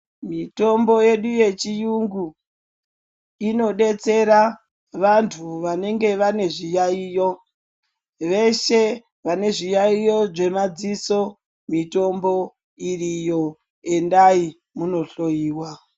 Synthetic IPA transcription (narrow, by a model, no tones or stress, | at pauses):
mito̞mbo̞je̞ɗuje̞t͡ʃijuŋɡu | ino̞ɗe̞t͡se̞ɾa | ʋantʰuʋane̞ŋɡe̞ʋane̞ʐijaiːjo̞ | ʋe̞ʃe̞ | ʋane̞ʐijaijo̞ʐe̞mad͡ziso̞ | mito̞mbo̞ | irijo̞ | e̞ndai | muno̞ɬo̞jiːwa